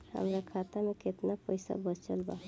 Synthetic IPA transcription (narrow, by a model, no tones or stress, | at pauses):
hə̰mɾakʰat̪ameket̪napəjsa̰bət͡ʃəlba̰